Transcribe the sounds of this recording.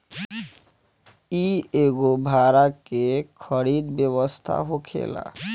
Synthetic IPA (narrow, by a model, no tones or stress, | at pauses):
ieɡobʱaɾakekʰɔɾid̪beβɔst̪ʰa̰ɦokʰḛla̰